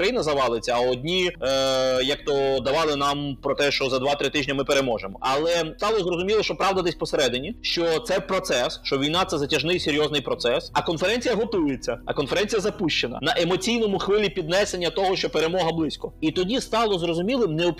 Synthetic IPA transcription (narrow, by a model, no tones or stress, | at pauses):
ɾɐjinɐzɐʋɑlˠet͡sʲɐɔdʲnʲi | jɐk̚t̪ɔd̪ɐʋɑlˠɪnɑmpɾɔt̪ɛʃt͡ʃɔzɐd̪ʋɑt̪ɾɪt̪ɪʒʲnʲɐmɪpeɾe̞mɔʒemɔ̰ʔɐlˠɛst̪ɑlˠɔzrɔzʊmʲilˠɔʃt͡ʃɔpɾɑʋd̪ɐd̪esʲpɔseɾɛd̪enʲiʃt͡ʃɔt̪sɛpɾɔt̪sɛsʃt͡ʃɔʋʲijnat̪sɛzɐtʲɐʒnɪjsʲeɾʲjɔznɪjpɾɔt̪sɛsɐkɔnfeɾɛnʲt͡sʲijɐɦɔt̪ujet͡sʲːɐɐkɔnfeɾɛnʲt͡sʲijɐzɐpuʃt͡ʃenɐ̰nɐʔemɔt͡sʲijnɔmʊxʋɪlʲipʲid̪nɛsenʲːɐt̪ɔɦɔʃt͡ʃɔpeɾemɔɦɐblˠɪsʲkɔit̪ɔdʲist̪ɑlˠɔzrɔzʊmʲilˠɪmneɔp